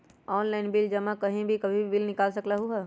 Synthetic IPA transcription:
ɔːnlaːɪnbɪld͡ʒɐmãkɐɦĩbʱikɐbʱibʱibɪlnɪkaːlsɐklaɦuɦɛː

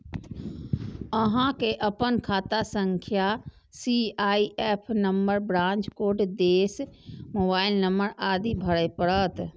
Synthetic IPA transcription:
ɐɦãkeʔɐpənkʰaːt̪asɐ̃ŋkʰja | siaːiʔeːpʰnɐmbəɾbɾãːɲt͡ʃkoːɖd̪eːsmoːbaːɪlnɐməɾaːd̪ʱibʱɐɽəpɐɽət̪

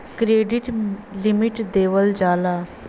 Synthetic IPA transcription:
kɾeɖiʈlimiʈd̪eʋəld͡zala

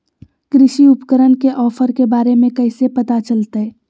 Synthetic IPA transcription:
kɾɪʃiʊpkəɾənkeʔɔːfʰəɾkebaːɾemẽkɐɪsepɐt̪at͡ʃəlt̪aɦɛː

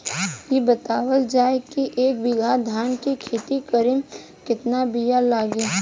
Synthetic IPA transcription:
jebət̪aːwəld͡ʒaːekiʔeːk̚bɪɡ̪ʱad̪ʱaːnkikʰeːt̪ikəɾɪm | kɪt̪nabijalaːɡeː

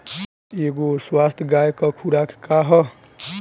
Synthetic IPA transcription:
eɡoswast̪ʰjɡajkɔkʰuɾakʰkaɦʌ

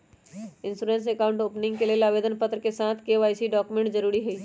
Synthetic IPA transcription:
ɪ̃nsuːɾẽːns̬eːkaːʊ̃ɳʈoːpnɪ̃ŋɡkeleelaːʋeːd̪ənpət̪ɾəkesãːt̪ʰkeʋaːjsiɖɔːkumẽɳʈd͡ʒɐɾuːɾiɦʊiː

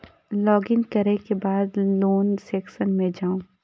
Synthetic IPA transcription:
lɔːɡɪ̃ŋkɐɾekebaːd̪loːnsɛːksənmẽd͡ʒaːõ

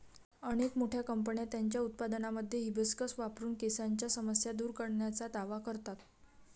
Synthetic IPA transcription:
əɽ̃ekmoʈʰjakəmpəɳjat̪jaɲt͡ɕjaut̪̚pad̪ənaməd̪ʱːjeɦibəskəsʋapɾuːnkesaɲt͡ɕjasəməsjad̪uːɾkəɽɳjat͡sad̪aʋakəɾt̪at̪

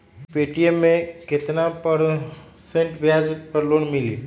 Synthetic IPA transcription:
peːʈiemːẽkɪt̪napɐɾ | sẽɳʈbjaːd͡ʒəpɐɾloːnmɪliː

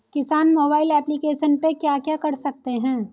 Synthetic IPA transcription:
kɪsaːnmoːbaːɪlɛːplikeːʃənpekjaːkjakɐɾsɐk̚t̪eɦɛ̃ː

